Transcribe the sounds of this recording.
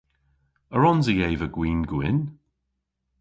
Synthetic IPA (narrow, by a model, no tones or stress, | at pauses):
əɹɔnzəjejvəɡwiːnɡwɪn